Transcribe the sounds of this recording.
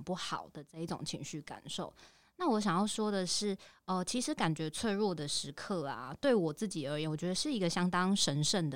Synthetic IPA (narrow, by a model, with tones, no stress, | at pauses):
pu˥˩xɑ˨˩ʊd̪ə˨ʈ͡ʂə˥˧i˥˩ʈ͡ʂʊ̰˨˩ŋt͡ɕʰḭ˧˥ŋɕy˥˩ka̰˨˩nʂo˥˩ʊ | na˥˨wɔ˦ɕ̬jɑ˨˩ŋjɑ˥˩ʊʂwɔ˥d̪ə˨ʂɻ̩˥˩ə˧t͡ɕʰi˧˥ʂɻ̩˧˥ka˨˩nt͡ɕɥɛ˧˥t͡sʰwe˥˧ɪɻwɔ˥˩d̪ə˩ʂɻ̩˧˥kʰɤ˥˩a̰˩t̪we˥˩ɪwɔ˨˩t͡sɹ̩˥˩t͡ɕi˨˩ə˞˧˥jnwt͡ɕɥɛ˧d̪ə˧ʂɻ̩˥˩i˧˥ɡə˧ɕjɑ˥ŋt̪ɑ˦ŋʂə˧˥nʂə˥˩nd̪ə˩